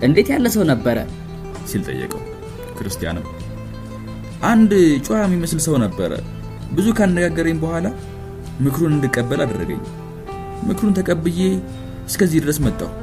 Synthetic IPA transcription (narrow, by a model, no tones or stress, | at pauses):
ʔɨnd̪e̞t̪jalːəsəwnəbːəɾə̰ | silt̪ʼə̰jːə̰kʼə̰w | kʰɨɾɨst̪ʰija̰nɨm | ʔand̪t͡ʃʼuamːiməslsəwnəbːəɾə̰ | bɨzukʰanːəɡaɡːəɾəɲbəhʷala | mɨkɾunɨnd̪ɨkʼːəbːəlad̪rːə̰ɡə̰ɲː | mɨkɾunt̪ʰəkʼəbɨje | ɨskʰəzːihd̪ɨɾəsmət̪ʼːa̰w